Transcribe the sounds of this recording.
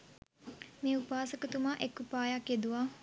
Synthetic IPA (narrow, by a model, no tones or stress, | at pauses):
meːupaːsəkət̪umaʔekːupaːjakjed̪uʋaː